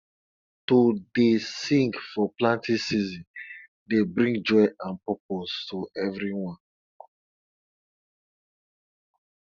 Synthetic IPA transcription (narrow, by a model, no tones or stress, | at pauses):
todesĩŋkfɔplãntʰisizĩn | debɾĩŋɡd͡ʒɔɪãnpɔp̚ostʰuɛvɾiwɔ̃n